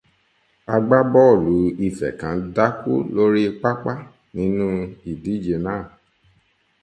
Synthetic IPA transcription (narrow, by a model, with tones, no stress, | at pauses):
a˧ɡ͡ba˦bɔ˦˨lu˨˦i˦˨fɛ̰˨kã˨˦da˦kṵ˦lo˦ɾi˦˧k͡pa˦k͡pa˦ | nĩ˨˦nũ˦i˨di˨˦d͡ʒe˧nãː˦˨